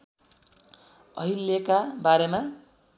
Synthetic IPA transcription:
ʌ̰ɦilːjekabaɾema

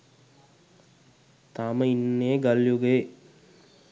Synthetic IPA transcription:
t̪aməinːeɡaljuɡe

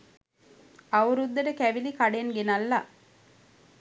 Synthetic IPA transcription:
ɐuɾud̪ːɐɖəkæʋilikaɖenɡenɐlːa

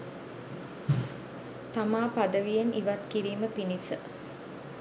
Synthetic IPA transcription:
t̪amaːpad̪əʋijenʔḭʋat̪kiɾiːməpinisə

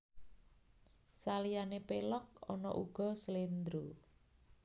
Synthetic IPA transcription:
salijanepelɔk̚ɔ̰nɔ̰ʔuɡ̥ɔ̤səlend̪ɾu

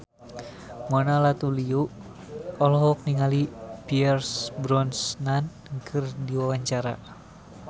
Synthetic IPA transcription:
mɔnalat̪uliu | ɔlɔɦɔk̚niŋalipiɛrsbɾɔnsnan | kʰɨrdiwawaɲt͡ʃaɾa̰

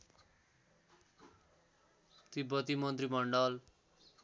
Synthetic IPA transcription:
t̪ibʌt̪imʌnt̪rimʌɳɖʌl

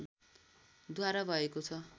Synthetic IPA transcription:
d̪ʱwaɾabʱʌekot͡sʰʌ

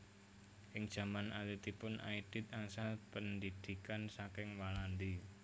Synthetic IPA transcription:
ʔɪŋd̥ʒ̥a̤manʔalit̪ipʊnʔa̰id̪̥ɪ̤t̪̚asapənd̪id̪̥i̤kansakɪŋwaland̪i

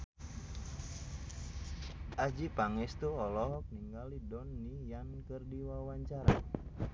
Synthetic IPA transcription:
ʔad͡ʒipaŋɛst̪uɔlɔɦɔk̚niŋɡalidɔnːijankərdiwawaɲt͡ʃaɾa̰

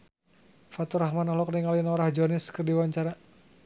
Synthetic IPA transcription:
fat̪uɾahmanɔlɔk̚niŋalnɔɾahd͡ʒɔniskərdiwaɲt͡ʃaɾa

